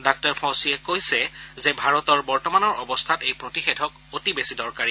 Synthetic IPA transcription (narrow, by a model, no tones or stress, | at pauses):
dak̚tɔɹpʰɔ̃siɛkojsɛzɛbʱaɹɔtɔɹbɔɹtɔmanɔɹɔbɔstʰatejpɹotixedʱɔk | otibesidɔɹkaɹi